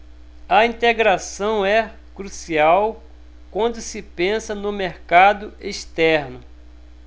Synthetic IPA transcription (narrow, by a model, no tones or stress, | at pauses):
ɐĩt̪eɡɾasɐ̃w̃ɛ | kɾusiaw | kwɐ̃nd̪ʊsɪpẽsɐnʊmeɾkad̪ʊʔeʃt̪ɛɾnʊ